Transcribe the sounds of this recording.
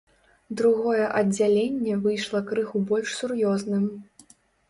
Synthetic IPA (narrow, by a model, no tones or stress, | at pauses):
d̪ɾuɣɔjɛʔɐd͡zʲalʲenʲːɛvɨjʂlˠɐkɾɨxubɔlʲʂsurjɔznɨm